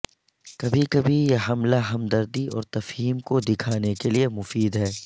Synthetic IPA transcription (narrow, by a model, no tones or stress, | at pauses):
kɐbʱikɐbʱijeɦɐmlaɦɐmd̪ɐɾd̪iɔ̰ːɾt̪ɐfɦiːmkod̪ɪkʰaːnekeliemʊfiːd̪ɦɛː